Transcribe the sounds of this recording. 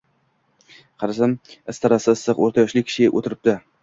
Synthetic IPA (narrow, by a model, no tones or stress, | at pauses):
qʰɑɾɪsɪmɪst̪ʰaɾasɪsːɨqo̰ɾt̪ʰajɒʃlɪkʲʰɪ̥ʃɪʔo̰t̪ʰɪɾɪp̚d̪ɪ